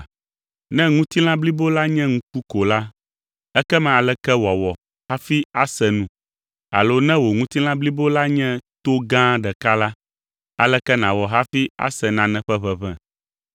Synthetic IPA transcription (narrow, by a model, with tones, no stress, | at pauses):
nɛ̃˦ŋũ˦t̪i˦l̃ã˦bli˦bo˦la˦ɲɛ̃˦ŋũ˦ku˦ko˨la˦ | ɛ˦kɛ˦mɛ̃˨a˨lɛ˦kɛ˦wɔ˨wɔ˨ | ha˦fi˦a˦sɛ˨nũ˦ | a̰˨lo˦nɛ̃˦wo˨ŋũ˦t̪i˦l̃ã˦bli˦bo˦la˦ɲɛ̃˦t̪o˦ɡã˦ɖɛ˨ka˦la˦ | a˨lɛ˦kɛ˦nã˨wɔ˨ɦa˦fi˦a̰˦sɛ˨nã˨nɛ̃˨ɸɛ˦βɛ˦βɛ̃˨